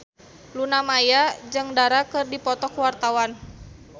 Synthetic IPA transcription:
lunamajad͡ʒɨŋdaɾakɨrdipɔt̪ɔkwart̪awan

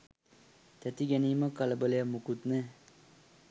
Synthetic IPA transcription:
t̪ɛt̪iɡɛniməkɐlbəlejamukut̪nɛ

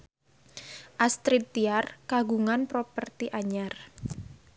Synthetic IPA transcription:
ʔast̪ɾit̪ːiarkaɡuŋanpɾopərt̪iʔaɲar

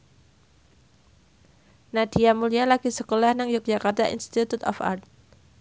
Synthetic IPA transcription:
nad̥iamulialaɡ̥isəkolahnaŋjʊk̚d͡ʒ̥akart̪aʔḭnst̪it̪ut̪ɔ̰fa̰rt̪̚

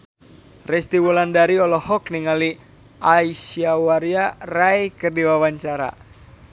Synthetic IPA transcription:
rɛst̪iwulandaɾiɔlɔhɔkniŋali | ʔaisiawaɾiarajkɨrdiwawaɲt͡ʃaɾa̰

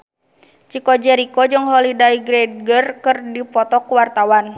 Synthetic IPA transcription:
t͡ʃikɔd͡ʒɛɾikɔd͡ʒɨŋɦɔlidaiɡɾɛd̚ɡərkɨrdipɔt̪ɔkuwart̪awan

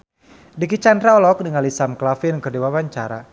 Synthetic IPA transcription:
dikit͡ʃandɾaɔlɔk̚diŋalisamklafinkərdiwawaɲt͡ʃaɾa̰

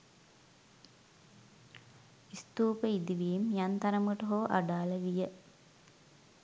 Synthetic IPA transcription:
ist̪uːpəid̪iʋijimjant̪ɐɾɐmuʈoɦoːʔa̰ɖaːlɐʋijə

